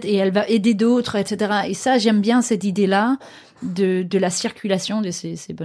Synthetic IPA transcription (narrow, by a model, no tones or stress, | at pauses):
t̪eɛlvaʔed̪ed̪ot̪χɛt̪set̪eʁaesaʒɛmbjɛ̃sɛt̪id̪ela | d̪əd̪əlasiʁkʲylasjɔ̃d̪əsesebɔ